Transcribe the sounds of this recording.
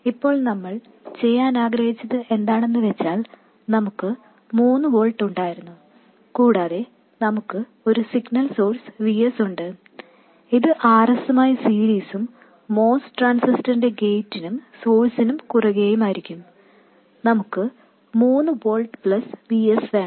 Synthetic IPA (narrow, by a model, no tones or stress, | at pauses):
ipːo̞ːɭnɐmːɐɭ | t͡ɕe̞jːaːnaːɡɾɐɦit͡ɕːɐðɨʔe̞nd̪aːɳe̞nːɨʋe̞t͡ɕːaːl | nɐmukːɨ | muːnːɨʋo̞ːɭʈːuɳɖaːjiɾunːu | kuːɽaːðe̞ | nɐmukːɨ | o̞ɾusiɡnɐlso̞ːrsʋijesuɳɖɨ | iðɨʔaːrɐsumaːjisiːɾiːsumː | o̞ːsʈraːnsistɐndeɡe̞jtːinumso̞ːlsinumkurɐɣejumaːjiɾikʲːum | nɐmukːɨ | muːnːɨboːɭʈɨpɭɐsʋiesʋeːɳ